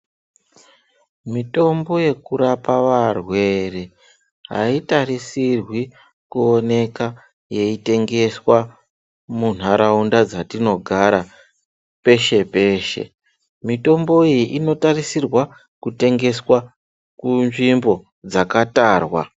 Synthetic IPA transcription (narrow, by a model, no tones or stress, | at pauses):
mito̞mbo̞je̞kuɾapaʋarwe̞re | ɦa̰itarisirwi | kuo̞ne̞ka | je̞ite̞ŋɡe̞swa | mun̤aɾaundad͡zatino̞ɡʱaɾa | pe̞ʃe̞pe̞ːʃe̞̰ | mito̞mbo̞ijiʔino̞tarisirwa | kute̞ŋɡe̞swa | kunʐimbo̞ | d͡zakataːrwa̰